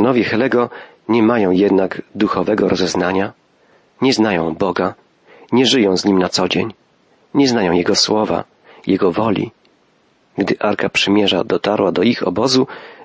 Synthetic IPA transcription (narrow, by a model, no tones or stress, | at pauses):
nɔvʲjɛxɛlɛɡɔ | ɲɛmajɔ̃w̃jɛd̪naɡd̪uxɔvɛɡɔɾʔɔzɛznaɲa | ɲɛznajɔ̃w̃bɔɡa | ɲɛʐɘjɔ̃w̃zɲimnat̪sɔd͡ʑeɲ | ɲɛznajɔ̃w̃jɛɡɔswɔva̰ | jɛɡɔvɔlʲḭ | ɡd̪ɘʔaɾkapʂɘmʲjɛʐa̰d̪ɔt̪aɾwad̪ɔixɔ̰bɔzu